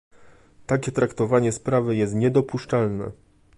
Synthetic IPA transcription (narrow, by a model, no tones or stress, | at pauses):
t̪ak̬ʲɛt̪ɾakt̪ɔvaɲɛspɾavɘjɛst̪ɲɛd̪ɔpuʂt͡ʂalnɛ̰